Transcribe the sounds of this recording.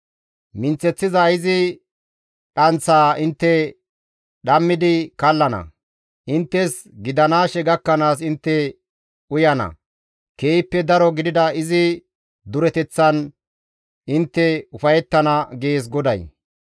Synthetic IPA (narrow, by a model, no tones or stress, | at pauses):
mɪnt͡sːɛt͡sːɪzɐɪzɪ | ɗɐnt͡sːaːɪnt̪ːɛ | ɗɐmːɪd̪ɪkɐlːɐnɐ̰ | ʔɪnt̪ːɛs | ɡɪd̪ɐnaːʃɛɡɐkːɐnaːs̬ɪnt̪ːɛ | ʊjɐnɐ̰ | ke̞ːjɪpːɛd̪ɐɾɔɡɪd̪ɪd̪ɐɪzɪ | d̪ʊɾɛt̪ɛt͡sːɐn | ɪnt̪ːɛʊfɐjɛt̪ːɐnɐɡe̞ːs̬ɡɔd̪ɐ̰j